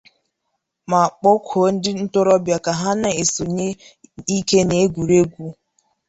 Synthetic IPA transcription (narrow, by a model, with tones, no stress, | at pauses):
ma˨k͡po˦kʷʰo˨˦n̩˦dɪ˦n̩˦tʊ˦ɾɔ˦bja˨ka˨ɦa˦na˦e˨so˨ɲe˦i˦ke˦ne˨e˦ɡʷu˨ɾe˦ɡʷu˦